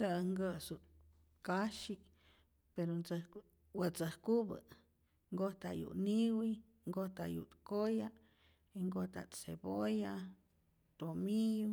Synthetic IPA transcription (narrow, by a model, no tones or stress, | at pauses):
səŋɡəsut̪ | kaʃi | peɾont͡sə | wət͡səhkubə̰ | ŋɡoht̪a̰jṵʔniwi | ŋɡoht̪a̰ʔjṵt̪koja | eŋɡot̪a̰t̪sḛboja | t̪omiju